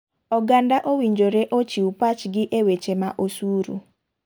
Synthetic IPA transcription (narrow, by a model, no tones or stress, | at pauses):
ɔɡandaʔowiɲd͡ʒoɾeʔot͡ʃiupat͡ʃɡɪʔewet͡ʃemaʔosuɾṵ